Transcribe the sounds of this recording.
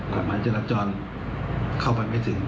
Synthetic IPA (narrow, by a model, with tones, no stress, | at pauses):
kʰa˨˦mːaː˨˦˥jt͡ɕa˧˩la˦˧t̚t͡ɕɔː˧n | kʰa˥˩wpa˧jma˥˩jt̪ʰɯ˩˦ŋ